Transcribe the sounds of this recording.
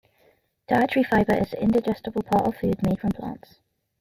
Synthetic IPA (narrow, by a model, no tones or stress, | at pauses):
d̥aɪt͡ʃə̥ɹifaɪbə˞ʔɪzɪ̰̃ndɪd͡ʒɛstəbəl̩ˠpʰɔˑʔəv̥fʉːd̚meɪd̥fɹə̃mpʰl̥ɑ̰̃ˑnts